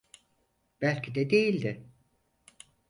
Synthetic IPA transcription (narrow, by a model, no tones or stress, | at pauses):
b̥ælʲcʰid̪ɛd̪ejilʲd̪ɪ